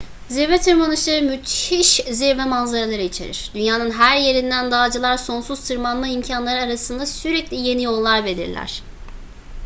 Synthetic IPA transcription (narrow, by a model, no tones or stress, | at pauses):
ziɾvɛt̪ʰɯɾmanɯʃlˠaɾɯmyt̪ʰhiʃziɾvɛmanzaɾalˠaɾɯit͡ʃʰe̞̰ɾḭɾ̥d̪̥ynjaːnɯnɦæɾje̞ɾind̪ænd̪aːd͡ʒɯlˠaɾso̞nsuz̥t̪ʰɯɾmanmaimcʰanlˠaɾɯaɾasɯnd̪asyɾɛclʲije̞nijo̞lˠːaɾbe̞lʲḭɾlʲæ̰ɾ̥